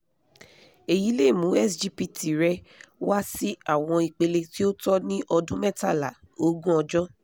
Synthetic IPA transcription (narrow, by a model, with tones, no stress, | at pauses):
e˨ji˨˦le˦˨mũ˨˦ɛ˦˨sd͡ʒi˦˨pi˨ti˨ɾɛ˧wa˦si˦a˦˨w̃ɔ̃˧i˨k͡pe˧le˧ti˦o˦tɔ˦nĩ˦ʔɔ˧dũ˦mɛ˦˨ta˦˨la˨ | o˧˦ɡũ˦ɔ˧d͡ʒɔ˦